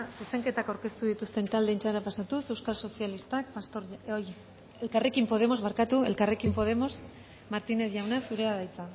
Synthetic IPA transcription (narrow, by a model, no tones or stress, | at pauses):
suse̞ŋke̞t̪akawɾke̞st̪uðit̪ust̪e̞nt̪ald̪e̞ːnt͡ʃaɾapasat̪use̞wskalso̞sialist̪ak̚past̪oɾoj | e̞lkare̞kimpo̞ð̞e̞mo̞zβaɾkat̪ue̞̰lkare̞kimpo̞ð̞e̞mo̞s | maɾt̪ine̞θʝawnasuɾe̞aðajt͡sa